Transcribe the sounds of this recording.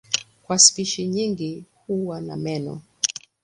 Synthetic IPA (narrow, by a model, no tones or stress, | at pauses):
kwaspiʃiɲiŋɡihuwana̰mɛnɔ̰